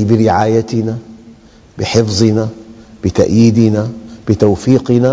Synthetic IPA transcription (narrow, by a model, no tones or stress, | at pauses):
bɪɾɪʕaːjat̪ɪna | bɪħɪfzˤɨnab̥ɪt̪aʔjiːd̪ɪnab̥ɪt̪awfiːqɪna